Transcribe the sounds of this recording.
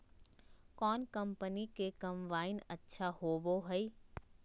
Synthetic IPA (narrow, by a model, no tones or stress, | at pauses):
kɔːnkɐ̃mpənikekɐ̃mʋaːɪnɐtːʃʰahoːboɦɐi